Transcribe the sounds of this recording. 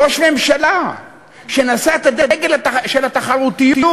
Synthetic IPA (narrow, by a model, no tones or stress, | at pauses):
oʃme̞mʃala | ʃenasaet̪ad̪edɡelataʃelhat̪aχaʁut̪ijiu